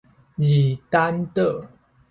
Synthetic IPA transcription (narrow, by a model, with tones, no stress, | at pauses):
ji˨˩t̪a˦nt̪ə˥˨